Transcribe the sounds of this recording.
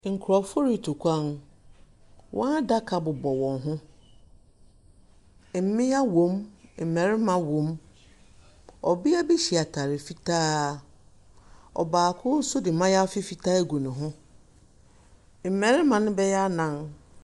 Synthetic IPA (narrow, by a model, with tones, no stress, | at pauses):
ŋ̩˨kʰʊ˨ɾɔ˨fʊ˦ɾi˨tʰu˨kʷʰã˦n | wʔɔ̰̃˦a˦da˦kʰa˨bʊ˨bɔ˨wɔ̃˨nɦʊ̃˦ | m̩˨˦mɪ̃˦ja˦wõ˨˦mm̩˨mɛ̃˨ɾɪ˦mã˨wõ˨˦m | ɔ˨bɪ˦a˦be˦ɕi˨a˨tʰa˨ɾɪ˨fi˦tʰaː˦ | ɔ̰˨baː˨kʰʊ˦sʊ˦dɪ˨mã˦ja˦ɔ˦fɪ˦fi˦tʰa˦ɡu˨nʊ̃˨ɦʊ̃˦ | m̩˨mɛ̃˨ɾɪ˦mã˨nʊ̃˦bɛ˦jɛ˦a˦nã˨n